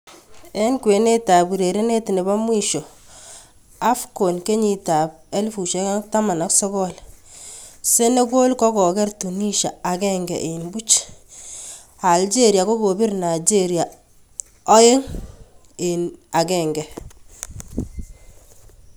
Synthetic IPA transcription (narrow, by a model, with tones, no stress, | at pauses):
e˦ŋkwe˨ne˦ta˨bu˨ɾe˨ɾe˦ne˦ti˨ne˨ba˦mwi˦ʃo˨ | a˦fko˨nke˦ɲi˨ta˨p̚ | e˦lfu˨ʃe˦ka˦ta˦ma˨na˦ksɔ˦kɔ˦l | se˦ne˦ko˦lkɔ˦kɔ˨kɛ˦rtu˨ni˦ʃa˨a˨kɛ˦ŋɡɛ̰˨ʔe˨mbu˦t͡ʃ | a˨ld͡ʒe˦ɾja˨ko˦ɡo˨bi˦ɾna˨d͡ʒe˦ɾja˨ | ɔ˦e˦ŋ | e˨na˨kɛ˨ŋɡɛ˨